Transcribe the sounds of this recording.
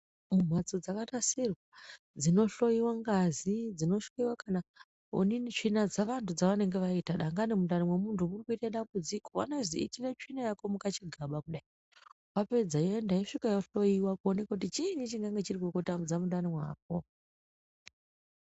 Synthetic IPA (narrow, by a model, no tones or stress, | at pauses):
mum̤wat͡sod͡zakatasirwa | d͡zino̞ɬo̞jiwaŋɡazid͡zino̞ɬojiwakana | ṵninit͡ʂinad͡zaʋantʰud͡zaʋane̞ŋɡeʋaitaɗaŋɡanimundanimwemuntʰumurikuitaɗambud͡zikowa̰naziitiret͡ʃinajakomukat͡ʃiɡʱaɓakuɗai | wape̞d͡zajendaiʂikajoɬo̞jiwakuonekakutit͡ʃinit͡ʃiŋɡaŋɡe̞t͡ʃirikokutamud͡zamundanimwaːk̚o